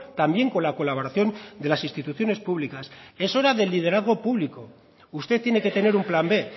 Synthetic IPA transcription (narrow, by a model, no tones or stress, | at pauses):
t̪ambje̞ŋko̞nlako̞laβ̞o̞ɾaθjo̞nd̪elasinst̪it̪uθjone̞spuβlikase̞so̞ɾaðe̞lːið̞e̞ɾaðɣ̞o̞puβliko̞ | ust̪e̞t̪ːje̞neke̞t̪e̞ne̞ɾumplambe̞